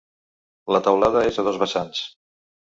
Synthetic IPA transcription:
lət̪əwlaðəezəðɔzβəsans

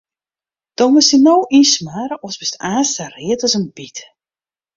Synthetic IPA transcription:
d̥ɔmʊsinowʔinsmaːɾəʔɔsbɪstaːstariətɔsənbit

